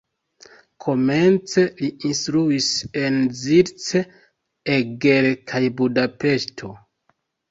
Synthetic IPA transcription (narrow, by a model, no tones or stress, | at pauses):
kʰo̞me̞nt͡se̞liinstɾuise̞nziɾt͡se | eɡeɾekʰajbudape̞ʃtʰo̞